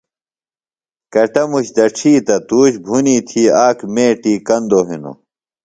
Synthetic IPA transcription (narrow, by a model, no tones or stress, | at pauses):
kɐʈɐmuɕd̪ɐʈ͡ʂʰiːt̪ɐt̪uːɕbʱuniːt̪ʰiːaːkmeːʈiːkɐnd̪oɦino̰